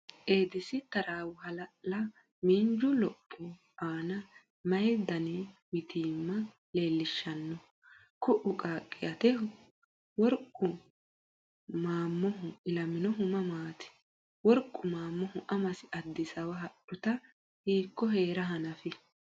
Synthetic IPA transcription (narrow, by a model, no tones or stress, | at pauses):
ʔeːd̪ɪsɪt̪ɐɾaːwʊhɐlɐʔlɐ | miːnd͡ʒʊlɔpʼːʊ | aːnɐ | mɐjd̪ɐnɛwɪt̪iːmːɐ | le̞ːlːɪʃːɐnːɔ | kʊʔʊkʼaːkʼːɪjɐt̪ɛhʊ | wɔɾkʼːʊ | maːmːɔɦʊɪlɐmɪnɔɦʊmɐmaːt̪ɪ̥ | wɔɾkʼːʊmaːmːɔhʊʔɐmɐsɪʔɐd̪ːɪsɐwɐɦɐɗʊt̪ɐ | hiːkːɔɦe̞ːɾɐɦɐnɐfɪ